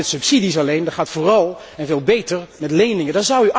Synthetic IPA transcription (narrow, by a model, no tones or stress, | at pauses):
ɛtsɵpsidisɑlejndɑtχaːtfoːrɑlˠ | ɛnveːlˠbejtəɹmɛtlejnɪŋədɑnzʌwyʔ